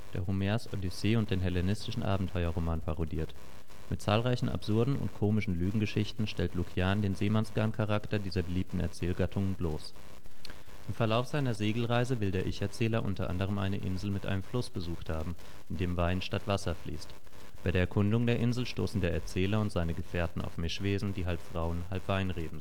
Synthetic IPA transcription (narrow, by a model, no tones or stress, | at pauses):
d̥ḛːɐʁumeɐso̰diseːʊnt̚d̥eːnɦɛlenɪstɪʃn̩ʔa̰ːbm̩tʰɔʏɐʁomaːnpʰaʁodḭːɐt | mɪt̚t͡saːlʁaɪçn̩ʔa̰pz̥ʊɐdn̩ʊ̰ntkʰoːmɪʃn̩lyːɡŋ̩ɡəʃɪçtn̩ʃtɛltlukʰjaːndeːnzeːmansɡ̥aɐnkʰaʁ̞aktɐdiːzɐbəliːp̚tn̩ɛ̰ɐt͡sɛːlɡatʰʊŋənbloːs | ʔɪmfɛɐlaʊfz̥aɪnɐzeːɡl̩ʁaɪzəvɪldeːɐʔɪ̰çɛɐt͡sɛːlɐʔʊntɐʔa̰ndəʁ̞əmʔa̰ɪnəʔɪ̰nzl̩mɪtʔa̰ɪnəmflʊsb̥əzuːxthaːbm̩ | ʔɪndeːmvaɪnʃtatv̥asɐflḭːst | b̥aɪdeɐɛɐkʰʊndʊŋdeːɐʔɪnzl̩ʃto̰ːsn̩deːɐɛɐt͡sɛːlɐʊntz̥aɪnəɡəfɛːɐtn̩ʔa̰ʊfmɪʃv̥eːzn̩diːɦalpfʁ̥aʊənɦalpv̥aɪnʁeːbm̩z